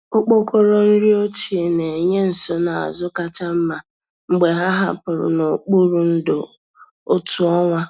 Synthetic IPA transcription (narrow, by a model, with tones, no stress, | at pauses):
o˦k͡po˦ko˦ɾo˦n̩˦ɾi˦o˦t͡ʃi˨e˨ne˨ɲe˦n̩˨so˦na˨a̰˨zʊ˦ka˦t͡ʃa˦m̩˦ma˨ | ŋ͡m̩˦ɡ͡be˨ɦa˦ɦa̰˦pʊ˨ɾʊ̰˨no˨k͡pu˦ɾu˦n̩˦do˨ | o˦tu˦ɔ˦ŋʷa˦